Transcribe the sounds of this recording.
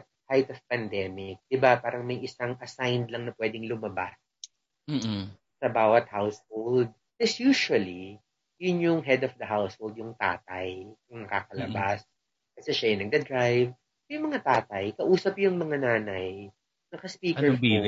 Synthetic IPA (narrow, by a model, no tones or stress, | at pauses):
t̪̚ | hajt̪ɔv̥pɐnd̪ɛːmɪk̚d̪̥ɪbapaːɾɐŋmɐjʔɪsaŋɐsajnd̪lɐŋnɐpwɛd̪ɪŋlʊmɐbas | sɐbaːwɐt̪̚hawshold̪̚ | t̪ɪsjuːʃʊɐli | jʊnjʊŋɦɛd̪ɔfd̪ɐɦawshold̪̚jʊŋt̪a̰ːt̪ɐjkʊŋnɐkaːkɐlɐbas | kɐsɛʃajɪnɐɡ̚d̪ɐd̪ɾajv | jʊŋmɐŋat̪aːt̪ɐjkɐʔuːsɐpjʊŋmɐŋanaːnɐj | nɐkɐspiːkɛɹ